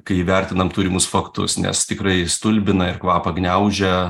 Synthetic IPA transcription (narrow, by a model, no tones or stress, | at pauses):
kɐɪʋʲɛrʲt̪ʲɪnɐmt̪uːɾʲɪmʊsfɐkt̪ʊ̰snʲɛ̰st̪ʲɪkrɐɪst̪ʊlʲbʲɪnɐɪrkʋɑːpɐɡnʲɛʊʒʲɛ